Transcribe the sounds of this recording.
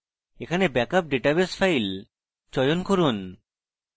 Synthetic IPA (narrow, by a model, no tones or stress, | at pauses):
ekʰanebɛkap̚ɖeʈabesfʰajl | t͡ɕɔjonkoɾun